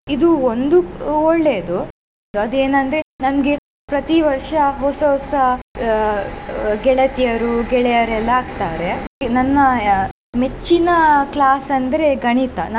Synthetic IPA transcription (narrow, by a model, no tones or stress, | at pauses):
id̪uond̪uɔɭːe̞ːd̪u | ɐd̪eːnɐnd̪ɾe̞nɐmɡe̞ | pɾɐt̪iʋɐɾʂɐɦɔsɐsɐ | ɡɛɭɐt̪ijɐɾuɡɛɭɛjɐɾɛlːɐaːɡt̪aːɾe̞nɐnːɐ | met͡ʃːinɐklaːsɐnd̪ɐɾe̞ɡɐɳit̪ɐ̰nɐ